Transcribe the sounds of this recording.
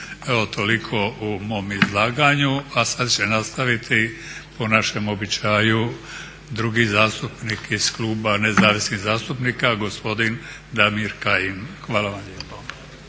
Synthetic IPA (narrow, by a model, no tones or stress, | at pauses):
eʋo̞t̪ʰo̞likʰo̞umo̞ːmizlˠaːɡaɲuasad̪t͡ɕenast̪aʋit̪ʰiponaʃe̞mo̞bit͡ʃaːju | d̪ɾuɡizaːst̪upnikiz̥klˠuːbanezaːʋisniɣzaːst̪upnikaɡo̞spo̞d̪in | d̪amiɾkajinxʋaːlaʋamlʎepo